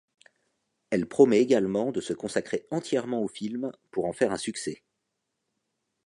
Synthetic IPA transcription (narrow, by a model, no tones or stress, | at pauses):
ɛlpχɔmɛeɡalmɑ̃d̪əsəkɔ̃sakχeɑ̃t̪jɛʁmɑ̃ofilmpuʁɑ̃fɛʁɛ̃syksɛ